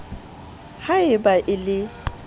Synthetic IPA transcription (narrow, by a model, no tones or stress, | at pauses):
haɪbaʔɪlɪ